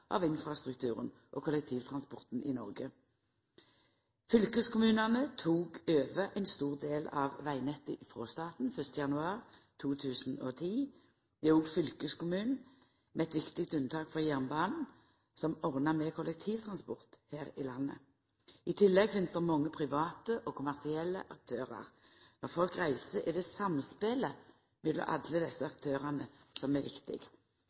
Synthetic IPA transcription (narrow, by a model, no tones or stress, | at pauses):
ʔɑ̰ʋɪnfʁɑst̪ʁʉk̚t̪ʰʉːʁən | ʔɔ̰ːkʰʊlɛk̚t̪ʰiːʋt̪ʰʁɑnspɔʁt̪n̩ʔɪnɔ̰ʁɡə | fʏlkəskʰʊmʉːnɑnət̪ʰuːɡøːʋəʔæɪnst̪uːʁd̪eːlɑʋʋæɪnɛt̪ːəʔfʁoːst̪ɑːt̪n̩fœst̪əjɑnʉɑːʁt̪ʰuːt̪ʰʉːsn̩oːt̪ʰiː | d̪ɛuːɡfʏlkəskʊmʉːnn̩ | mɛɛt̪ʋɪkt̪ɪkt̪ʉnt̪ʰɑːkfɔʁjæʁnbɑːnn̩ | sɔmɔʁnɑmɛkʰɔlɛk̚t̪ʰiːʋt̪ʰʁɑnspɔʁt̪hæːʁɪlɑnːə̰ | ɪt̪ʰɪlːɛɡfɪnst̪əʁmɔŋːəpʰʁɪʋɑːt̪əʔɔkʰʊmæʁsɪɛlːə̰ʔɑk̚t̪ʰøːʁɑ̰ʁ | nɔʁfɔlkʁæɪsəɾʔɪd̪ɛsɑmspeːlə | mɛd̪ɔ̰ʔɑ̰d̪ləd̪ɛsːəɑk̚t̪ʰøːʁɑnəsɔmɛʋɪkt̪ɪ̰ɡ̥